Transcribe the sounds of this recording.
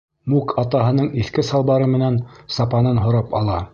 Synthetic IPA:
mukʰɑt̪ɑɦɤ̆nɤɴiθkɘsɑlˠbɑɾɤmɘ̆nænsɑpɑnɤnɦŏɾɑpɑ̰lˠɑ

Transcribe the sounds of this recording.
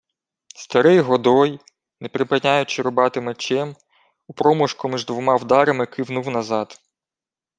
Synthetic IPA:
st̪ɐɾɪjɦɔd̪ɔj | nepɾɪpɪnʲajʊt͡ʃɪɾɔbɑt̪ɪmet͡ʃɛm | upɾɔmʊʃkʊmiʒd̪ʋɔmɑwd̪ɑɾɐmɪkɪwnuwnɐzɑd̪

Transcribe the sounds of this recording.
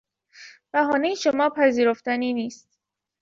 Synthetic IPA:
b̥æɦɒːnejeʃomɒːpʰæziːɾoft̪æniːniːst̪

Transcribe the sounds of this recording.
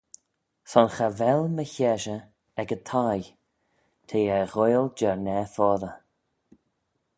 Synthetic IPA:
sɔnxavɛlməçɛʒə | ɛɡət̪ʰaj | t̪ʰeːɛɣojld͡ʒɛɹnɛfɔːðə

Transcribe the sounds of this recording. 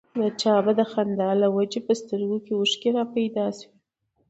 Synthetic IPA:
lat͡ʃɑbad̪əxand̪ɑlawad͡ʒepəst̪əɾɡokeʊʃkeɾɑpajd̪ɑswi

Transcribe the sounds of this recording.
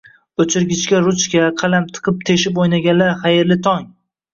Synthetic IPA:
ɵt͡ʃʰɪɾɡʲɪt͡ʃkʲaɾʊt͡ʃkʲaqʰɑlamt̪ʰɨ̥qʰɨp̚t̪ʰeʃɪp̬ojnaɡʲanlaɾχajɪɾlɪt̪ʰɒŋ

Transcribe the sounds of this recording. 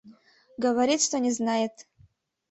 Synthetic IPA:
ɡɐvaɾʲit̪ʂt̪onʲɪznajetʰ

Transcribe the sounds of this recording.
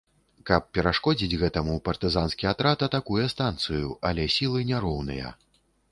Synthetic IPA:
kɐp̚pʲɛɾaʂkɔd͡zʲid͡zʲɣɛt̪ɐmupɐrt̪ɨzanskʲijat̪ɾat̪ɐt̪akujɛst̪ant̪sɨjṵʔɐlʲɛsʲilˠɨnʲaɾɔwnɨ̰jɐ̰

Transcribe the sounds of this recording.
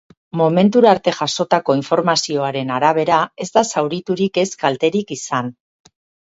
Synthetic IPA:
mo̞me̞nt̪uɾaɾt̪e̞ʝaso̞t̪ako̞iɱfo̞ɾmasio̞aɾe̞naɾaβ̞e̞ɾae̞zd̪asawɾit̪uɾike̞skalt̪e̞ɾikisan

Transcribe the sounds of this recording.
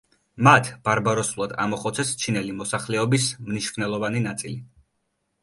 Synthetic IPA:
mat̪ʰb̥aɾbaɾɔsulˠad̪a̰mɔχɔt̪sʰɛst͡ʃʰinɛlimɔsaχlɛɔbismniʃvnɛlˠɔvaninat̪sʼili

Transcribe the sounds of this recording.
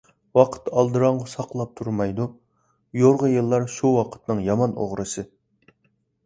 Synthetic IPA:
wɑqʰə̥t̪ːɑlˠd̪ɨɾɑŋʁɑsɑqʰlˠɑp̚t̪ʰuɾmɑjd̪u | joɾʁəjɨlˠːɑɾʃuwɑqʰə̥t̪nɨŋjɑmɑno̰ʁɾɨsɨ

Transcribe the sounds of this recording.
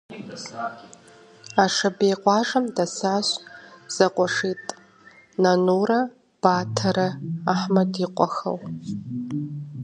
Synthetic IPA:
aʂabejqʷʼaʐamdasaɕʷz̥aqʷʼaʂitʼ | nanoɾa | b̥atʰaɾɨaħmadiqʷʼa̰xa̰w

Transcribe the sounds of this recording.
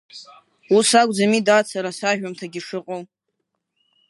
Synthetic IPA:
usakʷʼd͡zamidat͡sʰaɾasaʒᶣamtʰaɡʲiʂɨqʼow

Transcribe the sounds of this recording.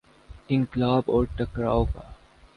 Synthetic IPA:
ʈɪ̃ŋklaːbɔːɾʈɐkɾaːoka̰ː

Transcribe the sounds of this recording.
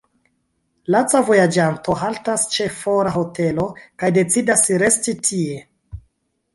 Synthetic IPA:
lat͡savo̞jad͡ʒanto̞ɦaltast͡ʃe̞foɾaɦo̞te̞lo̞kajde̞t͡sidasɾe̞stitʰie̞

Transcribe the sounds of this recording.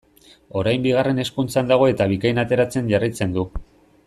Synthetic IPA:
o̞ɾajmbiɣare̞ne̞skunt͡sand̪aɣ̞o̞e̞t̪aβ̞ikajnat̪e̞ɾat͡se̞nʝarit͡se̞nd̪u

